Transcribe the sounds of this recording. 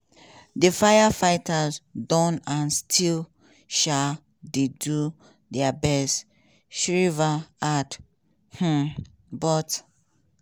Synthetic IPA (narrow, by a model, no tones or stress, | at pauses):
defajafaɪtʰazdɔ̃nãnstʰil | ʃa | dedu | dɛabɛst | ʃɹivaad | h̩ | bɔt